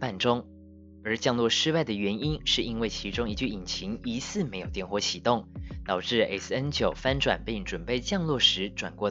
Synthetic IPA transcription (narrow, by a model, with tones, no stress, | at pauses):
pa˥˩nʈ͡ʂʊ˥ŋ | ə˞˨˧˥t͡ɕjɑ˥˧ŋlwɔ˥˩ʂɻ̩˥wa˥˩ɪd̪ə˩ɥɛ˧˥ni˥nʂɻ̩˥˩i˥nwe˥˩ɪt͡ɕʰi˧˥ʈ͡ʂʊ˥ŋi˧t͡ɕy˥˩i˨˩nt͡ɕʰi˧˥ŋi˧˥sɹ̩˥˩me˧˥ɪjo˨˩t̪jɛ˥˧nxwɔ˥˩t͡ɕʰi˨˩t̪ʊ˥˩ŋt̪ɑ˨˩ʊʈ͡ʂɻ̩˥˩ḛ˨˩s̩˥˩ə˥nt͡ɕjo˨˩ʊfa˥nʈ͡ʂwa̰˨˩npi˥˩ŋʈ͡ʂwə˨˩npe˥˧ɪt͡ɕjɑ˥˧ŋlwɔ˥˩ʂɻ̩˧˥ʈ͡ʂwa̰˨˩nkwɔ˥˧˩